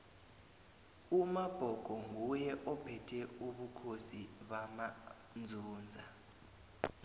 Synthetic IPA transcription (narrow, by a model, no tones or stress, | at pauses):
umab̥ʱɔɡ̥ʱɔŋʱujɛʔɔpʰɛtʰɛuɓukʰosiɓama | nd͡zʱuːnd͡zʱa